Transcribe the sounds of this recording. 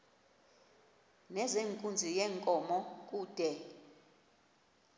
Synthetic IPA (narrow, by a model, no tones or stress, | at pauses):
nɛzeŋkʼund͡zʱijɛŋkʼɔmɔk̬ʼuːd̥ʱɛ